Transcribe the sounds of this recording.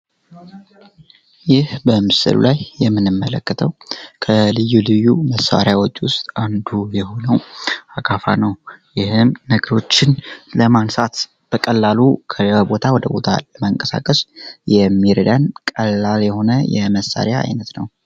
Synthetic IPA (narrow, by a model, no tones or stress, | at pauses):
jɪhbəmɨsɨ̰lṵlajːɛmːɨnɨmːələkːət̪ʰəwkʰəlɨjːulɨjːuməsːa̰ɾjawot͡ʃʼːwʊst̪ʼand̪ujɛho̞nəwakʰafa̰nəwjɪhɨmnəɡəɾo̞t͡ʃːɪnləmansat̪ | b̥əkʼəlːalukʰəbo̞t̪ʰawɔd̪əbo̞t̪ʰa̰ləmaŋkʼəsa̰kʼəsjɛmːiɾəd̪ankʼəlːaljɛho̞nəjɛməsːa̰ɾjaa̰jnət̪nəw